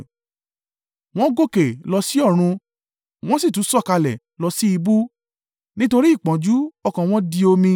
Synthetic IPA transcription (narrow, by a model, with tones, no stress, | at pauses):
w̃ɔ̃˦ɡo˦˨ke˨lɔ˧si˦ɔ˦˨ɾ̃ũ˧ | w̃ɔ̃˦si˦˨tũ˨˦sɔ˦˨ka˧lɛ̰˨ | lɔ˧˦si˦i˧bu˦ | nĩ˦to˧ɾi˦i˦˨k͡pã˨d͡ʒu˦ɔ˧kã˨w̃ɔ̃˦di˧o˧mĩ˧